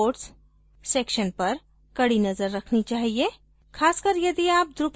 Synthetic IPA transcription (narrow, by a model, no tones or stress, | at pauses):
oːʈs | seːkʃənpɐɾ | kɐɽinɐzəɾːɐkʰnit͡ʃaːɦie | kʰaːskəɾjɐd̪iaːp̚d̪ɾup